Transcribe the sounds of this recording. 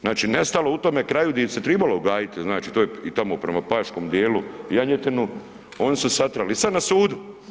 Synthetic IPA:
znaːt͡ʃinest̪alo̞ut̪omekɾaːjud̪aset̪ɾeːbaloɡaːjit̪iznaːt͡ʃit̪oːjeit̪amopɾemapaːʃkoːmd̪jeːlujaɲet̪enu | oːnisusat̪ɾalisad̪nasuːd̪u

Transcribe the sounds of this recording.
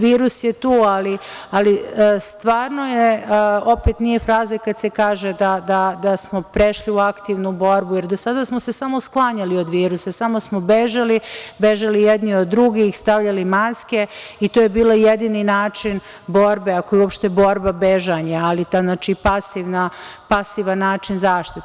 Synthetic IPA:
ʋiːɾusjet̪uːali | alist̪ʋaːɾno̞jeo̞pet̪nije̞fɾaːzakad̪se̞kaːʒed̪ad̪ad̪asmo̞pɾeʃliuakt̪iʋnubo̞ɾbuje̞ɾd̪osad̪asmose̞samo̞sklˠaɲalio̞d̪ʋiːɾusasamosmo̞beʒalibeʒalijed̪niod̪ːɾuɡixst̪aʋʎalimaske̞it̪ojebiːloijed̪iːninaːt͡ʃin | bo̞ɾbeakojuopʃt̪ebo̞ɾbabeʒaɲaalit̪aznaːt͡ʃipasiʋnapasiʋanːaːt͡ʃinzaːʃt̪it̪

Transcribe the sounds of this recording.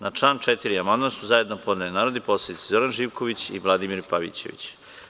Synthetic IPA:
nat͡ʂlˠaːnt͡ʃet̪iɾiamand̪mansuzaje̞d̪nopo̞d̪nelinaːɾod̪ipo̞slˠed̪it̪sezo̞ɾanʒiːʋko̞ʋit͡ɕiʋlˠad̪imiɾpaʋḭt͡ɕḛʋḭt͡ɕ

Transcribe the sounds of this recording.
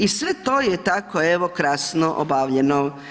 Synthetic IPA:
isʋet̪oːjet̪akoeʋokɾasnoʔo̰baʋʎeno

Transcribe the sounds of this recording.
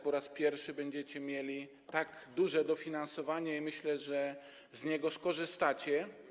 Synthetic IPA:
pɔɾaspʲjɛɾfʂɘbɛɲd͡ʑɛt͡ɕɛmʲjelʲi | t̪aɡd̪uʐɛd̪ɔfʲinansɔvaɲɛimɘɕlɛʐɛ | zɲɛɡɔskɔʐɘst̪at͡ɕɛ

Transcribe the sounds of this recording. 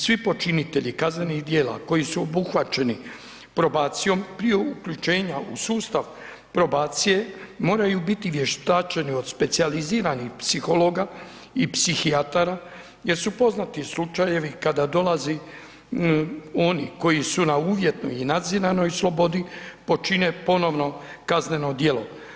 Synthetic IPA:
sʋipo̞t͡ʃinit̪e̞ʎikazneniɣd̪je̞ːla̰ko̞jisuobuxʋat͡ʃe̞ni | pɾo̞baːt̪sijo̞mpɾije̞ukʎut͡ʃe̞ːɲaṵsuːst̪aʋ | pɾo̞baːt̪sije̞mo̞ːɾajubit̪iʋje̞ʃt̪aːt͡ʃenio̞d̪spe̞t̪sializiːɾanixpsixo̞lo̞ːɡa | ipsixiat̪aɾa | je̞ɾsupo̞znat̪islut͡ʃajeʋikad̪ad̪o̞laze | o̞niko̞jisunauːʋje̞t̪no̰jinad̪zinano̞jslˠo̞bo̞d̪ipo̞t͡ʃinepo̞no̞ʋno̞kazne̞no̞d̪je̞lo̞

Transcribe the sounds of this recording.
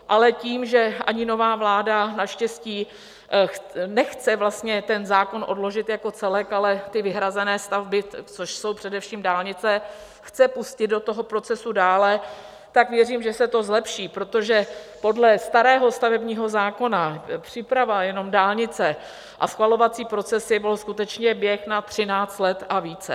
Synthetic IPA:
ʔalɛciːmʒɛʔa̰ɲɪno̞vaːvlaːdanaʃcɛsciː | nɛxt͡sɛvlast̪ɲɛt̪ɛnzaːko̞nʔo̞dlo̞ʒɪt̪jako̞t͡sɛlɛkalɛt̪ɪvɪɦɾazɛnɛːst̪avbɪt͡soʃso̞wpr̝̥ɛdɛfʃiːmdaːlɲɪt͡sɛ | xt͡sɛpuscɪd̪̚do̞t̪o̞ɦo̞pɾo̞t͡sɛsudaːlɛ | t̪akvjɛriːmʒɛsɛt̪o̞zlɛpʃiːpɾo̞t̪o̞ʒɛpo̞dlɛst̪aɾɛːɦo̞st̪avɛbɲiːɦo̞zaːko̞napr̝̥ɪpɾavajɛno̞mdaːlɲɪt͡sɛ | ʔa̰sxvalo̞vat͡siːpɾo̞t͡sɛsjɛbɪlskut̪ɛt͡ʃɲɛbjɛxnat̪r̝̥ɪnaːt͡st̪lɛt̪ʔaviːt͡sɛ̰

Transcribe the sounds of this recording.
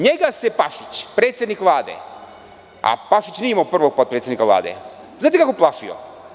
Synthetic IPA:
ɲeɡasepaʃit͡ɕpɾeːt̪sjed̪nikʋlˠaːd̪ḛ | a̰paʃit͡ɕniimaopr̩ʋoɡ̚pot̪pɾet̪senikavla̰ːd̪ḛ | znaːt̪ekakoplˠaʃio̰

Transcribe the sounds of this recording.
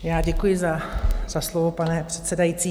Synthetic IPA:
jaːɟɛkujɪzaz̥aslovopanɛpr̥ɛt̪sɛdajit͡siː

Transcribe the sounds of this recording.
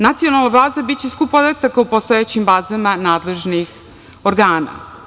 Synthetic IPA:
nat̪sijo̞nalˠnabaːzabit͡ɕeskupod̪at̪akaupost̪oet͡ɕimbaːzamanaːd̪le̞ʒnix | oɾɡaːna̰

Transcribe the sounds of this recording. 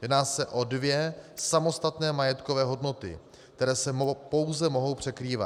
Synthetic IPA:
jɛdnaːsɛʔo̞dvjɛsamo̞st̪at̪nɛːmajɛt̪kovɛːɦo̞dno̞t̪ɪ̰ | kt̪ɛɾɛːsɛpo̞wzɛmo̞ɦo̞wpr̝̥ɛkɾiːva̰

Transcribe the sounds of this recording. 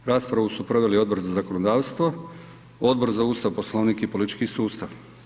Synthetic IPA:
ɾaːspɾaʋusupɾo̞ʋe̞lio̞d̪bo̞ɾzazako̞nod̪aːʋst̪ʋo̞ | o̞d̪̚bo̞ɾzauːst̪aʋpo̞slˠoʋniːkipolit̪it͡ʃkisuːst̪aʋ

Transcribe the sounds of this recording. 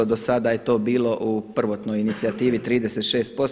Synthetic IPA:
od̪osad̪aje̞t̪o̞ːbiːlo̞ʔupr̩ʋo̞t̪no̞jinit̪siat̪iːʋit̪ɾiːd̪eset̪ʃe̞ːst̪̚po̞s

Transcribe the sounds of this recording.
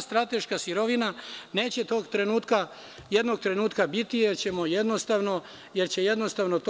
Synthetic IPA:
st̪ɾat̪e̞ʃkasiɾo̞ʋinane̞ːt͡ɕet̪o̞ːɡt̪ɾe̞nuːt̪ka | jed̪no̞ɡ̚t̪ɾe̞nuːt̪kabit̪ijeɾt͡ɕemojed̪no̞st̪aʋno̞ | jeɾt͡ɕe̞jed̪no̞st̪aʋno̞t̪

